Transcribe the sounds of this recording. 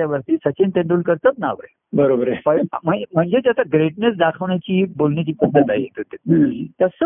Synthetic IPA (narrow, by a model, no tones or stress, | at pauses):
aʋəɾt̪iːsət͡ɕẽnt̪ẽɳɖ̪uːlkəɾt̪at̪̚naʋɾḛ | bəɾobɾepəm̤əm̤əɳd͡zet̪at̪aɡɾeʈ̚nes̬d̪akʰəʋɳjat͡ɕiːbolɳjat͡ɕiːpəd̪ːət̪aɦit̪ut̪ːet̪əsə